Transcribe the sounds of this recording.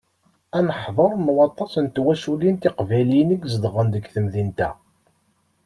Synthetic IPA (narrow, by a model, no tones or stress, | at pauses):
ænəħðˤoɾˤmwɑt̪ˤːɑsənt̪wæsulint̪iqvælinəɡzd̪ʁənd̪əɡθəmðint̪æ̰